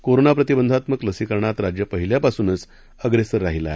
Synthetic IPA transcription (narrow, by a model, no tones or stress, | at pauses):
koɾonapɾət̪ibənd̪ʱat̪məkləsikəɾɳat̪ɾad͡ʑjəpəɦiljapasuːnət͡s | əɡɾesəɾːaɦila̰e